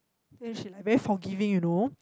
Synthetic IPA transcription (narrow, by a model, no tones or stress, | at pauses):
d̥̪ɛ̃nʃilavɛfɔɡivɪ̃ŋjuno